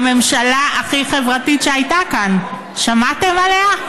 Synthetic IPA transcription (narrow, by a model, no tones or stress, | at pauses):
me̞mʃalaaχiχe̞vʁatitʃeajtakan | ʃamate̞malea